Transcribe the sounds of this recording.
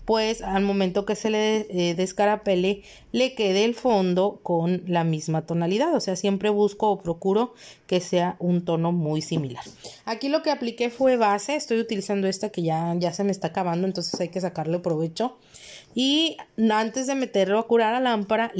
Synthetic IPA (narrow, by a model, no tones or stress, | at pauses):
pwe̞salmõ̞mẽnt̪o̞ke̞se̞leðe̞skaɾape̞le̞ | le̞ke̞ðeːlfo̞nd̪o̞konlamizmat̪o̞naliðaðo̞se̞asje̞mpɾe̞β̞usko̞ːpɾo̞kuɾo̞ke̞se̞aʔunt̪o̞no̞mujsimilaɾakilo̞ke̞aplike̞fwe̞βase̞est̪o̞jut̪ilisand̪o̞e̞st̪ake̞ʝaʝase̞meːst̪akaβ̞and̪oent̪o̞nse̞̥sajke̞s̬akaɾloepɾo̞β̞e̞t͡ʃo̞ | iant̪e̞zðe̞me̞t̪e̞ɾloakuɾaɾalampaɾa